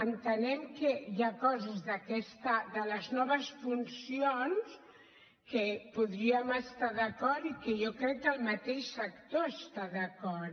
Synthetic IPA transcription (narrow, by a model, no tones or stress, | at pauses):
ənt̪ənɛmkəjakɔzəzðəkɛst̪əd̪ələznɔβ̞əsfunsions | kəpuðɾiəməst̪aðəkɔɾɾikəjɔkɾɛkːəlˠmət̪eʃsəkt̪oəst̪aðəkɔ